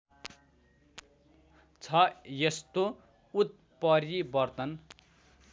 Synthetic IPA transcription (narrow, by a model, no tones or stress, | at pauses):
t͡sʰʌjest̪o | ut̪̚ | pʌɾibʌrt̪ʌn